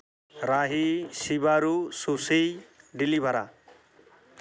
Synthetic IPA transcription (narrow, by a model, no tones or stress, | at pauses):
ɾaɦisibaɾususijɖilibʱaɾa̰